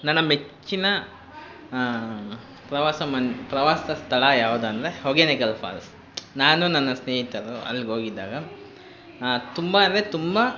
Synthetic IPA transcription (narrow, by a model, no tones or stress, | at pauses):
nɐnːɐmet͡ʃt͡ʃːinɐ | pɾɐʋaːsɐmɐnpɾɐʋaːsɐd̪ɐst̪ʰɐɭɐjaːʋud̪uɐnd̪ɐɾehɔɡenikɐlpʰa̰ːls | naːnunɐnːɐsneːɦit̪ɐɾoɐ̰lːiɡo̞ːɡid̪ːaːɡɐ | t̪umbɐaɐnd̪ɾet̪umbɐ